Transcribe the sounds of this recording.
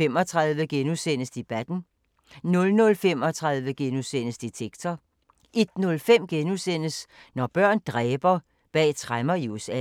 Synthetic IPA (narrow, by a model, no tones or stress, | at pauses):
em̰ɒ̽t͡sʰʁɑ̈ðˠʋəɡ̥enusen̰əsd̥e̝b̥æd̥n̩ | nɔ̽lnɔ̽lfem̰ɒ̽t͡sʰʁɑ̈ðˠʋəɡ̥enusen̰əsd̥et͡sʰeɡ̥t͡sʰɐ | e̝d̥nɔ̽lfem̰ɡ̥enusen̰əs | nɒb̥ɶɐ̰nd̥ʁɛːb̥ɐ | b̥ɛ̰ːt͡sʰʁamɐius